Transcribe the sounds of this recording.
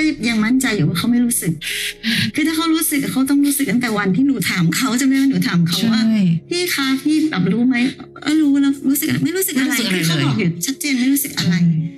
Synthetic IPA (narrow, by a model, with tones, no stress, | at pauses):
a˥˩jja˧ŋma˥˩nt͡ɕa˧juː˨˩˦waː˥˩a˦˥wma˥˩jɾuː˦˥sɯ˨˩k̚kʰɯː˧aː˥˩kʰa˦˥wɾuː˦˥sɯ˨˩k̚ːkʰa˦˥wt̪ɔ˥˩ŋɾuː˦˥sɯ˨˩k̚t̪ʰa˥˩˧t̪ɛː˨˩wa˧nt̪ʰiː˥˩nuː˨˩˦t̪ʰaː˩˦mkʰa˦˥wt͡ɕa˨˩ma˥˩jmaː˥˩nuː˨˩˦t̪ʰaː˩˦mkʰa˦˥wwaː˥˩t̪ʰiː˥˩kʰaː˧˥t̪ʰiː˥˩bɛː˨˩p̚ɾuː˦˥ma˦˥jʔa̰˥˩ɾuː˦˥lɛː˦˥wɾuː˦˥sɯ˨˩k̚ma˥˩jɾuː˦˥sɯ˨k̚ʔa˧ɾa˧jkʰɯː˧˩kʰa˦˥wʔɔː˨˩k̚juː˨˩t͡ɕʰa˦˥t̪̚t͡ɕeː˧nma˥˩jɾuː˦˥sɯ˨k̚ʔa˧ɾa˧j